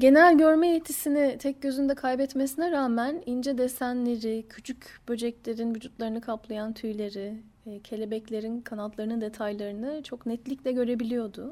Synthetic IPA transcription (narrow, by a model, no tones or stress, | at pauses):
ɟe̞nælʲɟø̞ɾmɛjet̪ʰːisinit̪ʰɛc̚ɟø̞zynyd̪ɛkʰajbɛt̪mesinɛɾaːmænind͡ʒɛd̪esænlʲeɾicʰyt͡ʃʰycb̥ø̞d͡ʒɛclʲe̞ɾinvyd͡ʒut̪lˠaɾɯnɯkʰaplˠajant̪ʰyjlʲe̞ɾi | cʰe̞lʲe̞bɛclʲe̞ɾinkʰanalt̪lˠaɾɯnɯd̪e̞t̪ʰajlˠaɾɯnɯt͡ʃʰo̞knɛt̪lʲiclʲɛɟø̞ɾe̞bilʲijo̞d̪ʊ